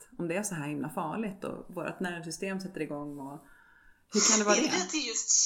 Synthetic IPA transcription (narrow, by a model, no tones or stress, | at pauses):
t̪ɔmd̪ɛæʂɔɦæːɾhɪmlʔafɑːɭɪt̪ɔ̰voːɾʔa̰t̪næːɾɪŋs̬ʏst̪eːmsɛt̪ːəɾɪɡɔŋːɔ | hɵɾkʰand̪ɛvɑːdd̪ɛɛt̪ʰɪjɵst̪